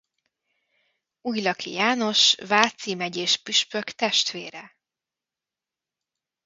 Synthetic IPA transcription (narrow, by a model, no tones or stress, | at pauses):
uːjlɒkʰḭjaːno̞ʃvaːt̪simɛɟeːʃpyʃpøkt̪ɛʃt̪ʋeːɾɛ